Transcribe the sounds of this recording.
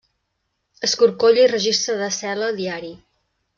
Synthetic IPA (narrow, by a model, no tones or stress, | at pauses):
əskuɾkoʎirəʒist̪ɾəðəsɛlədðiaɾi